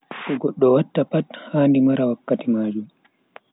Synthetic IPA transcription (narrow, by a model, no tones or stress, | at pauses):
kɔɡɔɗːɔwatːapathaːndimaɾawakːatimaːd͡ʒum